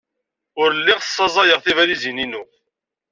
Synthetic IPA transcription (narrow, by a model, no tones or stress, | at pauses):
ʊɾəlːɪʁə̥sˤːɑzˤɑjəʁθivælizininʊ